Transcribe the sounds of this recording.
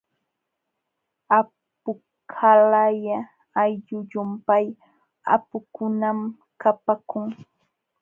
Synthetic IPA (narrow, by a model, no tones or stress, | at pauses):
a | pʊ | kʰalajaː | jʎʊʎʊmpaj | a̰pʊkʊnam | kapakʊŋ